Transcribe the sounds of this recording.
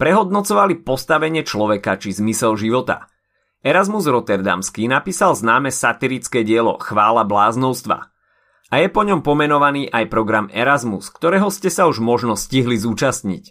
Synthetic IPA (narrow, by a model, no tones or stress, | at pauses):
pɾɛɦɔd̪nɔt͡sɔʋalipɔst̪aʋɛɲɪɛt͡ʃlɔʋɛkat͡ʃizmisɛlʒiʋɔt̪a̰ | ɛɾazmuzɾɔt̪ɛɾd̪a̰mskiːnapiːsalznaːmɛsat̪iɾit͡skɛːɟɪɛlɔ̰xʋaːlablaːznɔʊst̪ʋa̰ | ajɛpɔɲɔmpɔmɛnɔʋaniːʔajpɾɔɡɾamɛɾazmuskt̪ɔɾɛːɦɔscɛsauʒmɔʒnɔsciɦlizuːt͡ʃast̪ɲḭc